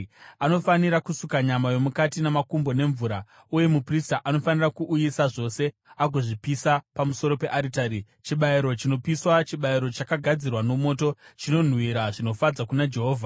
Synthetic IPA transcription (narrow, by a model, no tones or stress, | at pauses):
ano̞faniɾakusukaɲamajo̞mukatinamakumbo̞ne̞ɱvuɾa | uje̞mupristaʔano̞fanirakuʔːjisaʐo̞se̞ | aɡʱo̞ʐipisapamuso̞ɾo̞pe̞ʔaɾitaɾi | t͡ʃiɓaiɾo̞t͡ʃino̞piswat͡ʃiɓaiɾo̞t͡ʃakaɡʱad͡zirwano̞mo̞ːto̞t͡ʃino̞n̤wiɾaʐino̞fad͡zakunad͡ʒe̞ɦoːvʱa